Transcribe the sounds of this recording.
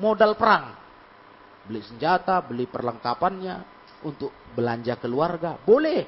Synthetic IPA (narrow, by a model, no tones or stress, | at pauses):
modalpəɾaŋ | bəlisəɲd͡ʒat̪abəlipərləŋkapanɲa | unt̪ʊk̚bəlaɲd͡ʒakəluarɡabolɛh